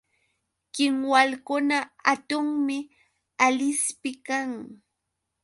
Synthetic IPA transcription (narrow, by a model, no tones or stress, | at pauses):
kɪŋwalkʊnaat̪ʊŋmɪ | alɪspɪkaŋ